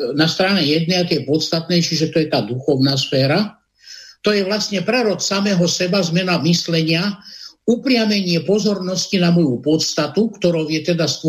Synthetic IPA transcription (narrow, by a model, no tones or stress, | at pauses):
nast̪ɾaːɲɛjɛd̪nɛːat̪jɛpɔt̪st̪at̪̚nɛːt͡ʃiʒɛt̪ɔjɛt̪aːd̪uxɔʊnaːsfɛːɾa | t̪ɔjɛʋlasɲɛpɾɛɾɔtsamɛːɦɔsɛbazmɛnamislɛɲɪaupɾɪamɛɲɪɛpɔzɔɾnɔscinamɔjupɔt̪st̪at̪ukt̪ɔɾɔʊjɛt̪ɛd̪ast̪